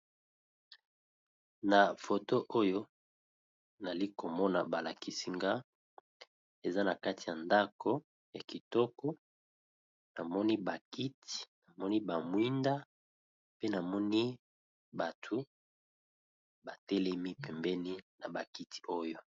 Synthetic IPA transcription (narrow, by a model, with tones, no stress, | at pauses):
na˨fo˨to˦ʔo˦jo˦ | na˨li˦ko˨mɔ˦na̰˨ba˨la˨ki˨si˦ŋɡa˦ | e˨za˦na˨ka˦ti˨a˨nda˦ko˦ | ja˨ki˨tɔ˦kɔ˦ | na˨mɔ˦ni˦ba˨ki˦ti̥˨na˨mɔ˦ni˦ba˨mwi˦nda˦ | pe˦na˨mɔ˦ni˦ | ba˨tʰu˨ | ba˨tɛ˦lɛ˦mi˦pɛ˨mbɛ˦ni˦na˨ba˨ki˦ti̥˨o˦jo˦